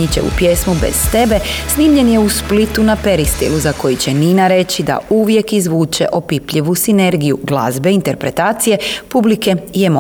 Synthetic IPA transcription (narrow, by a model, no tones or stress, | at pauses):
it͡ɕe̞̰ṵpje̞smubḛz̥t̪e̞be̞sniːmʎe̞nje̞usplit̪unapeɾist̪ḭluzako̞jit͡ɕe̞niːnaɾe̞t͡ɕid̪a̰uʋje̞kizʋuːt͡ʃe̞̰ʔo̞pipʎiʋusine̞ɾɡijuɡlˠa̰zbe̞int̪e̞ɾpɾe̞t̪aːt̪sije̞publike̞ijemo